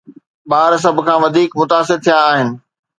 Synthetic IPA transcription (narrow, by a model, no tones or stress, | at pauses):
ɓaːɾs̬ɐbʱʊ̆kʰãːʋɐd̪ʱiːkmʊt̪aːsɪɾt̪ʰijãːɦɪnɪ̆